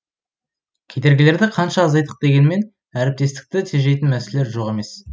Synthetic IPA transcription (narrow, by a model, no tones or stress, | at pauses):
kʲʰe̞d̪e̞ɾɡʲɪle̞ɾd̪ɪqʰɑnʃɑːzɑjt̪ə̥q̚d̪e̞ɡʲe̞nme̞n | æɾɪp̚t̪e̞st̪ɪ̥k̚t̪ɪt̪ʰeʒe̞jt̪ɪnmæsele̞ɾʒo̞ʁe̞me̞s